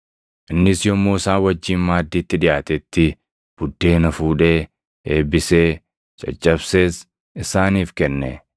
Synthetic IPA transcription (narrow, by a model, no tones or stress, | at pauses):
ʔɪnːɪsjɔmːoːsaːwɐd͡ʒːiːnmaːd̪ːiːt̪ːɪᶑɪjʔaːt̪ɛt̪ːɪ | b̥ʊd̪ːe̞ːnɐfuːᶑeː | eːbɪseː | t͡ʃʼɐ̰t͡ʃʼːɐbseːs | ɪsaːniːfkɛnːɛ̰